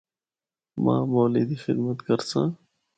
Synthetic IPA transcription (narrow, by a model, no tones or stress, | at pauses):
mã̰ːmoːliːd̪ixɪ̰d̪mət̪kəɾsãː